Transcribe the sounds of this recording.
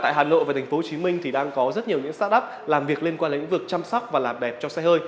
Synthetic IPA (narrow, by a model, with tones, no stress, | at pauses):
t̪a̰ː˧˨ɦaː˨˩no̰˧˨jva˨˩a˨˩ŋ̟fo˨˦o˧t͡ɕi˨˦mï˧ŋ̟t̪ʰi˨˩ɗaː˧ŋkɔ˨˦zə˦˥t̚ɲi˨˩ɲɨ̰˧˥ŋst̪aː˦˥ʔə˦˥p̚ | laː˨˩mvi˨˩ək̚li˧ənkwaː˧n̰˨˧˥ŋ̟vək̚t͡ɕa˧msa˦˥wk͡p̚vaː˨˩laː˨˩mɗɛ˨˩p̚t͡ɕɔ˧sɛ˧həː˧j